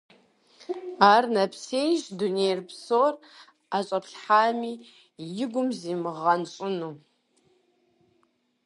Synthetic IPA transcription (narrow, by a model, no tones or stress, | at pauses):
aːrnɐpʰseːjʒdunejrpsoːr | aːɕʼɐpɬħaːmiː | jɪɡʷʊmziːmɨʁɐnɕʼɪnuː